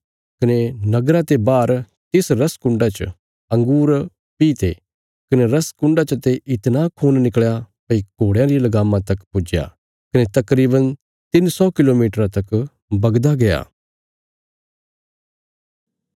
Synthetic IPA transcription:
kɐnenɐɡɾat̪ebaːɾ | t̪ɪsɾɐskʊ̃ɳɖat͡ʃ | ɐ̃ŋɡuːɾ | piːt̪e | kɐneɾɐskʊ̃ɳɖat͡ʃɐt̪eʔɪt̪nakʰuːnnɪkɭjapɐikoːɽjãɾijelɐɡaːmãt̪ɐkpʊd͡ʒja̰ | kɐnet̪ɐkɾiːbən | t̪ɪnsɔːkɪloːmiːʈɾãt̪ɐk | bɐɡd̪aɡɐja̰ː

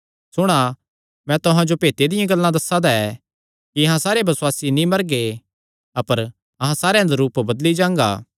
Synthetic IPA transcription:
sʊɽ̃a | mɛ̃t̪ʊɦãd͡ʒopeːt̪ed̪ɪjãɡɐlːãd̪ɐsːad̪aɛ | kiɐɦãsaːɾebɐswaːsinĩmɐɾɡe | ɐpəɾ | ɐɦãsaːɾeãd̪aɾuːpbɐd̪lid͡ʒãːŋɡa̰ː

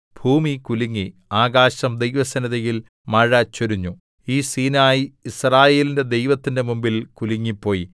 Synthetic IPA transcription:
bʱuːmikuliŋːiaːɣaːɕɐmd̪ejʋɐsɐnɐðɐjil | mɐɻɐt͡ɕːoɾuɲːu | iːsiːnaːjiisraːje̞ːlinde̞d̪ejʋɐt̪ːinde̞mumbilkuliŋːipːo̞ːji

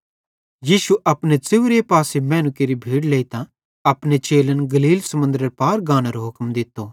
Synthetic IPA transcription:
jiːʃuʔɐpnet͡sɪʋɾepaːsemɛ̃ːnʊkeɾibʱiːɽleːit̪ã | ɐpɽet͡ʃeːlənɡɐliːlsɐmʊ̃nd̪ɾəɾpaːɾɡãːñaɾoɦʊkmd̪ɪt̪ːo

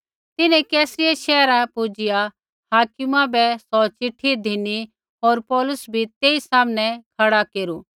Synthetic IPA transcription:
t̪ɪnɛ̃kɛːsɾɪjaʃɛːɾapʊd͡ʒɪja | haːkɪmãbɛsɔt͡ʃɪʈʰːid̪ʱɪni | ɦoːɾpɔːlʊsbʱit̪eːisaːmñɛkʰɐɽakeːɾuː

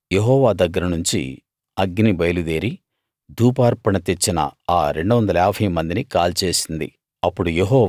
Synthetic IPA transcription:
je̞ɦɔːʋaːd̪ɐɡːɐɾɐnuɲt͡ʃḭ | ɐɡnibɐjlud̪eːɾi | d̪ʱuːpaːɾpɐɳɐt̪et͡ʃːinɐ̰aːɾe̞ɳɖuʋɐnd̪ɐlaːbʱɐjmɐnd̪inikaːlt͡ʃe̞ːsind̪ḭ | ɐpːuɽujeɦɔː

